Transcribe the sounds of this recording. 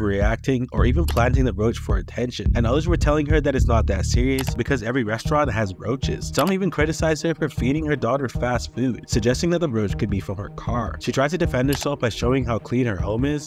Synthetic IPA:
ɹiæk̚tɪ̃ŋʔə̰˞ivɨ̃npʰl̥æ̃ntɪ̃ŋðɨɹoʊt͡ʃfə˞ɨ̰tʰɛ̃nʃɨ̃nnɨ̃nʌðə˞zwə˞tʰɛlˠɪ̃ŋə˞ðɨɾɨtsnət̪̚ðɨtsɪɹiɨsb̥ɨkʰʌzɛvɹiɹɛstɹ̥ɑ̃nʔ̚ɦɨzɹoʊt͡ʃɪ̰z̥sʌ̃mivɨ̃nkʰɹ̥ɪɾɨsaɪzə˞fʌ̃ɱfiɾɪ̃ŋə˞dɔɾə˞fæstfʉd̥sɨɡ̚d͡ʒɛstɪ̃ŋðɨt̪̚ðəɹoʊt͡ʃkʰɨd̚bifɹə̃mə̰˞kʰɑɹʃitʰɹ̥aɪztʰɨdɨfɛ̃nd̚hə˞sɛlˠfb̥aɪʃoʊɪ̃ŋɦaʊkʰl̥ĩnə˞hõ̰ʊ̃mɪz̥

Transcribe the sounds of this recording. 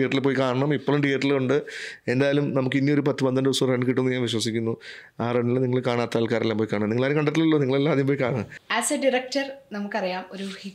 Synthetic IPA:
ijɐʈːilpoːjikaːɳɐɳɐmipːoːɭumʈijɐʈːiluɳɖɨe̞nd̪aːjɐlumnɐmukːɨinːijo̞ɾup̬ɐt̪ːɨpɐnd̪ɐnɖɨusureɳɖkiʈːunːuɲaːnʋiɕwɐsikʲːunːuaːreɳːilniŋːɐɭkaːɳaːt̪ːaːlkaːɾelːaːmpoːjkaːɳɐmniŋɐɭaːɾjmkɐɳɖɐt̪ːilɐlːo̞ːniŋːɐɭelːaːɐðijump̬oːjkaːɳɐɳɐaːsɐɖiɾɐk̚ʈɐrnɐmukːɐrijaːmo̞ɾuhi

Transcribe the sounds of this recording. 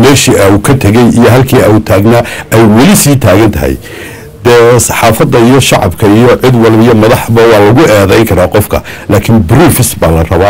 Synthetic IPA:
mɛːʃiːʔɐukʰɐt̪ʰɐɣɛjijɔɦɐlkʰiːɐut̪ʰaːɡnaʔɛjwɐlɪsiːt̪ʰaːɣɐnt̪ʰɐ̰ɦɛ̰j | d̪̥ɛːsɑ̥ħɑːfɐd̪ɐijɔʃɑʕɑ̰bkʰɐijɔʕɪd̪wɑlβijɔmɐðɑħbɐwɑːlɐɣʊɛːðɛjŋkʰɐɾaːqɔfkʰɐ̰ | laːkʰɪnbɾuːfɪsbaːlɐrɐβaː

